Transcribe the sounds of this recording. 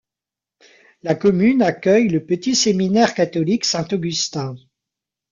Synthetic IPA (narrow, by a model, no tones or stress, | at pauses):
lakɔmynakʲœjləpət̪iseminɛʁkat̪ɔliksɛ̃t̪ɔɡʲyst̪ɛ̃